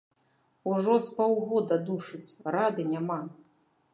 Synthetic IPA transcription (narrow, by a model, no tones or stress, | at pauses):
uʐɔspɔwɣɔd̪ɐd̪uʂɨt͡sʲrad̪ɨnʲama